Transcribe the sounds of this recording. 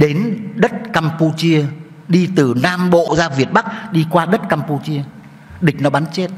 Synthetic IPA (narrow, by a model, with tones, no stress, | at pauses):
ɗe˨˦nɗə˦˥t̚kaː˧mpu˧t͡ɕi˧ə | ɗi˧t̪ɨ˨˩naː˧mɓo̰˧˨zaː˧vi˨˩ət̚ɓa˦˥k̚ɗi˧kwaː˧ɗə˦˥t̚kaː˧mpu˧t͡ɕi˧ə | ɗï˨˩k̟̚nɔ˨˦ɓaː˨˦nt͡ɕe˦˥t̚